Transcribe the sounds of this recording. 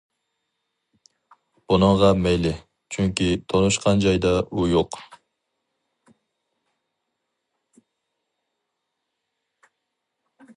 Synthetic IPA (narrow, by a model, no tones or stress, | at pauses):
b̥unɨŋʁɑmejlɪ | t͡ʃʰyŋkʲit̪ʰonuʃqʰɑnd͡ʒɑjd̪ɑujoq